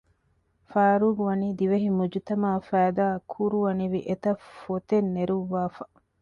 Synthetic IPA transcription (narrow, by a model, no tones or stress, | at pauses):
faːɾuːɡuʋɐniːd̪iʋeɦimud͡ʒit̪ɐmaːfæːd̪aːkʰuɾuɐniʋiʔet̪ɐfot̪enːeɾuʋːaːfɐ̥